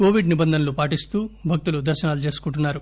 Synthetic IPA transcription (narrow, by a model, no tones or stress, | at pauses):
ko̞ːʋiɖnibɐnd̪ʱɐnɐlupaːʈist̪uːbʱɐk̚t̪ulud̪ɐɾʃɐnaːlut͡ʃe̞ːsu̥kuɳʈ̬unːaːɾu